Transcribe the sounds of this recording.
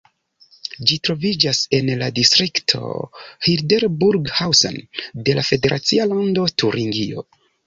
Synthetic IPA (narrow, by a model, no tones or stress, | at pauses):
d͡ʒitɾo̞vid͡ʒase̞nladistɾiktʰo̞̰hildeɾbuɾɡhawsa̰nde̞lafe̞de̞ɾʔat͡sialando̞tuɾiŋɡio̞̰